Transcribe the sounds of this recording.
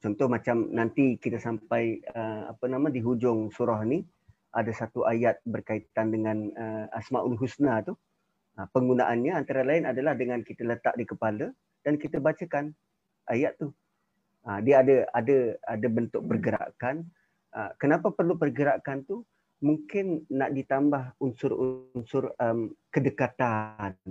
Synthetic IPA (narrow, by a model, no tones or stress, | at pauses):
t͡ʃɔnt̪ʊhmat͡ʃamnant̪ikit̪əsampajəa̰pənamãdiɦud͡ʒʊŋsuɾɔɦni | ʔadasat̪uʔajat̪̚bərkait̪andəŋãnəasmaʔulɦusnat̪u | əpəŋɡunaʔanɲəant̪aɾalaɪnadalahdəŋankit̪ələt̪a̰ʔdikəpalə | d̥ankit̪əbat͡ʃəkan | ʔajaʔ̪t̪ːu | ədiəadəadəadəbənt̪ʊʔ̚pərɡəɾa̰ʔkan | əkənapapərlupərɡəɾakant̪u | muŋkɪnːaʔdit̪ambahunsʊrṵnsʊrəmkədəkat̪an